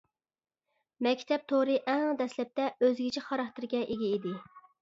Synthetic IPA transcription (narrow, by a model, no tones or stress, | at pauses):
mɛkʲt̪ʰɛp̚t̪ʰoɾɨʔɛŋd̪ɛslɛp̚t̪ɛøzɡʲit͡ʃʰiχɑɾɑχt̪ɨɾɡʲɛʔeɡʲɛid̪ɪ